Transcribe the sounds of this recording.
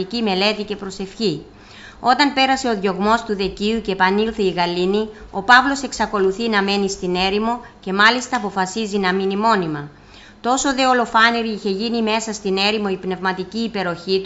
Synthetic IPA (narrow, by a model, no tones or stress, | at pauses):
icime̞le̞t̪ice̞pɾo̞se̞fçi | o̞t̪ɐnpe̞ɾɐse̞o̞ðʝo̞ɣmo̞st̪uðe̞ciuce̞pɐnilθeiɣɐlinio̞pɐvlo̞se̞ksɐko̞luθinɐme̞nist̪ine̞ɾimo̞ce̞mɐlist̪ɐːpo̞fɐsizinɐminimo̞nimɐ | t̪o̞so̞ðe̞o̞lo̞fɐniɾiiçe̞ʝinime̞sɐst̪ine̞ɾimo̞ipne̞vmɐt̪iciːpe̞ɾo̞çit̪u